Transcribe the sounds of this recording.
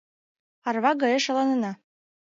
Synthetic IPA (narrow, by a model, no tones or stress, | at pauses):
ɑrβɑɡɤjɤʃɑ̆lɑnɤ̆nɑ